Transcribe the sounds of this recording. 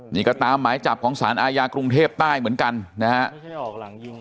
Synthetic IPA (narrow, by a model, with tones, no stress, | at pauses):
niː˧˩kɔ˧˩t̪aː˧mːaː˩˦jt͡ɕa˨˩p̚kʰɔː˩˦ŋsaː˩˦nʔaː˧jaː˧kɾu˧ŋt̪ʰeː˥˩p̚t̪aː˥˩jmɯ˩˦ənka˧nna˦˥ha˦˥ʔ